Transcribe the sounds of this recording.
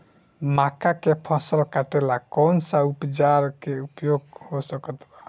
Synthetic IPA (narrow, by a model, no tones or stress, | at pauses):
makakepʰãsəlkaʈelakɔnsaupd͡ʒaɾkeupjoɡhosəkət̪ba